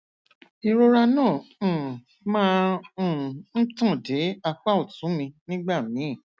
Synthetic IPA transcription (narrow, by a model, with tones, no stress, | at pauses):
i˧ɾo˧ɾa˧nãː˦˨ | mãː˦˨ | n̩˦tũ˦˨de˨˦a˧k͡pa˦o˦˨tũ˨˦mĩ˧nĩ˦ɡ͡ba˦˨mĩ˨˦i˦˨